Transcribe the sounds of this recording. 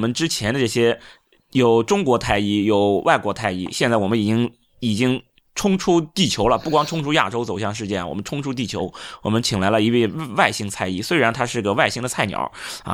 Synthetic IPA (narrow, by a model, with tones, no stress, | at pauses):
mə˦nʈ͡ʂɻ̩˥t͡ɕʰjɛ˧˥nd̪ə˧ʈ͡ʂɤ˥˩ɕjɛ˥ | jo˨˩ʊʈ͡ʂʊ˥ŋkwɔ˧˥t̪ʰa˥˧ɪi˥˩jo˨˩ʊwʔa˥˩ɪkwɔ˧˥t̪ʰa˥˧ɪḭ˥˩ɕjɛ˥˧nt͡sa˥˩ɪwɔ˨˩mə˦ni˨˩t͡ɕi˥ŋ | i˨˩t͡ɕi˥ŋ | ʈ͡ʂʰʊ˥ŋʈ͡ʂʰu˥t̪i˥˩t͡ɕʰjo˧˥ʊlə˨pu˥˩kwɑ˥ŋʈ͡ʂʰʊ˥ŋʈ͡ʂʰu˥ja̰˥˩ʈ͡ʂo˥ʊt͡so˨˩ʊɕjɑ˥˧ŋʂ̬ɻ̩˥˧t͡ɕjɛ˥˩nwɔ̰˨˩mə˦nʈ͡ʂʰʊ˥ŋʈ͡ʂʰu˥t̪̬i˥˩t͡ɕʰjo˧˥ʊwɔ˨˩mə˦nt͡ɕʰi˨˩ŋla˧˥ɪlə˧i˧˥we˥˧ɪ˧wa˥˩ɪɕi˥ŋt͡sʰa˥˧ɪi˥˩swe˥ɪɻa˧˥nt̪ʰa˥ʂɻ̩˥˩˧ə˧˩wa˥˩ɪɕi˥˧ŋd̪ə˨t͡sʰa˥˩ɪnjɑ̰˨˩˦ɐ̰˧